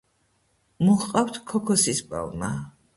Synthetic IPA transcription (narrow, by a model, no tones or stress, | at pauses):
muχqʼawt̪ʰkʰɔkʰɔsispʼa̰lma